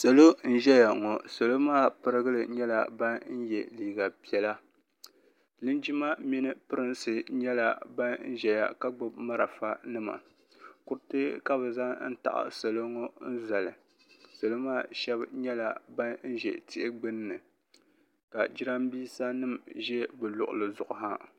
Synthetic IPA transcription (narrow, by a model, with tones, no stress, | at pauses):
sa˨lo˦n̩˦ʒɛ˦ja˨ŋɔ˨so˨lo˦maː˦˨pɨ˦ɾɨ˦ɡɨ˦lɨ˨ɲɛ˦la̰˨ba˦nn̩˦jɛ˨liː˨ɡa˨pi˨ɛ˨˦la˦ | lɨ˦nd͡ʒi˦ma˦mi˦nɨ˦pɨ˦ɾɨ˦nsɨ˨ɲɛ˦la˨ba˦nn̩˦ʒɛ˨ja̰˨ka˦ɡ͡bʊ˦bma˦ɾa˨fa˦nɨ˦ma̰˨ | kʊ˦ɾtɨ˦ka˦bɨ˨za˦n̩˦ta̰˨ʔa̰˨sa˨lo˦ŋo˦n̩˦za˨lɨ˨ | so˨lɨ˦maː˦˨ʃɛ˦bɲɛ˦la˨ba˦nn̩˦ʒɛ̰˨tʰɪ˦ʔɪ˦ɡ͡bɨ˦nː˦ɨ˨ | ka˨d͡ʒi˦ɾa˦mbiː˦sa˦nɨ˦mʒɛ˦bɨ˨lʊ˨ʔʊ̰˨lɨ˨zʊ˨ʔʊ˨ɦa˦